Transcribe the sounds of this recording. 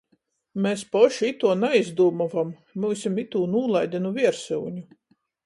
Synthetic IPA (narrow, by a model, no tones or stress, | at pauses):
mespɔʃit̪uɔnaizd̪uːmɔvam | muːsʲimit̪uːnuːlˠajd̪ʲinuvʲiɛɾsṵwɲʲu